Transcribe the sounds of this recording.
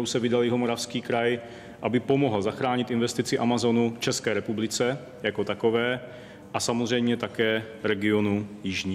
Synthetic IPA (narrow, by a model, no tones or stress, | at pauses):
owsɛvɪdaljɛɦo̞mo̞ɾafskiːkɾaj | ʔabɪpomoɦl̩zaxɾaːɲɪt̪ɪnvɛst̪ɪt͡sɪʔamazo̞nuft͡ʃɛskɛːɾɛpublɪt͡sɛ | jako̞t̪akovɛː | ʔasamozr̝ɛjmɲɛt̪akɛː | ɾɛɡɪonujɪʒɲiː